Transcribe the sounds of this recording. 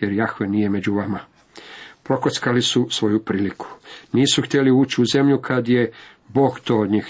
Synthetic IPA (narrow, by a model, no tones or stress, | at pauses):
jeɾjaxʋenije̞me̞d͡ʑuʋama | pɾo̞kot̪skalisusʋo̞jupɾiːliku̥niːsuxt̪jeliuːt͡ɕiuze̞mʎukʰad̪je̞ | bo̞ːɡt̪oːod̪ɲiːx